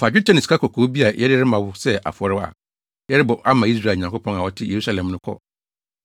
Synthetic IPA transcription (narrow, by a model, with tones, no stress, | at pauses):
fa˨d͡ʑᶣu˦tʰã˦nɪ̃˨skʰa˦kʰɔ˨kʰoː˨˦bi˦a˨jʔɛ˦ɾɪ˦ɾɪ˦mã˨wʊ˦sɛ˦ʔa̰˨fɔ˨ɾɪ˦wa̰˨ | jɛ˦ɾɪ˦bɔ˨ʔa˦mã˨i˦s̬ɾa˦˨ɲ˨ã˨ŋkʊ˦pʰɔ̃˦na˨wɔ˦tʰɪ˦je˨ɾu˦sa˦˨lɛ̃˨m˦nʊ̃˦kʰɔ̰˦